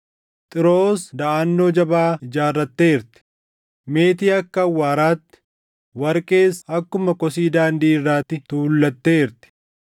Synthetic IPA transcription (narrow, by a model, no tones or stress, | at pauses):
t̪ʼɪɾo̞ːsd̪ɐʔaːnːo̞ːd͡ʒɐbaːɪd͡ʒaːrːɐt̪ːe̞ːɪɾt̪ɪ̥ | me̞ːt̪iːɐkːɐɐwːaːɾaːt̪ːɪ̥ | wɐɾkʼe̞ːsɐkːʊmɐkɔsiːd̪aːnd̪iːɪrːaːt̪ːɪt̪uːʊlːɐt̪ːe̞ːɾt̪ɪ̥